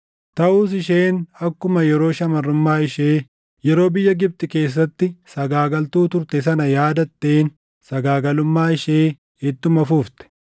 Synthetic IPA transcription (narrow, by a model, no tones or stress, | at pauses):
t̪ɐʔuːs̬ɪʃe̞ːnɐkːʊmɐjɛɾo̞ːʃɐmɐrːʊmːaːɪʃe̞ː | jɛɾo̞ːbɪjːɐɡɪb̚t̪ɪke̞ːs̬ːɐt̪ːɪsɐɡaːɡɐlt̪uːt̪ʊɾt̪ɛs̬ɐnɐjaːd̪ɐt̪ːe̞ːn | sɐɡaːɡɐlʊmːaːɪʃe̞ː | ɛt̪ːʊmɐfuːft̪ɛ̥